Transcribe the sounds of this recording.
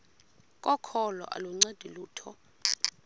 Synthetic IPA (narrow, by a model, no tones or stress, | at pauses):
kʼɔkʰɔlɔ̰ʔa̰luŋ͡ǀed̥ʱiluːtʰɔ